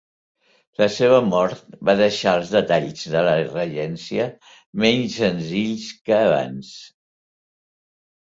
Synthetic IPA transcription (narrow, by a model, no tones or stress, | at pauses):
ləseβ̞əmɔɾt̪̚baðəʃaəlˠzðət̪aʎzðələrəʒɛnsiə | mɛɲsənziʎskəːβa̰ns